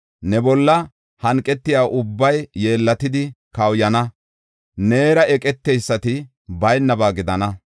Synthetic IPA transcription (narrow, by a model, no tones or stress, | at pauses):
nɛbɔlːɐ | hɐŋkʼːɛt̪ːɪjaːʔʊbːɐjːe̞ːlːɐt̪ɪd̪ɪ | kɐwjɐnɐ | ne̞ːɾɐʔɛkʼɛt̪ːɛjsːɐt̪ɪ | bɐjnːɐbaːɡɪd̪ɐnɐ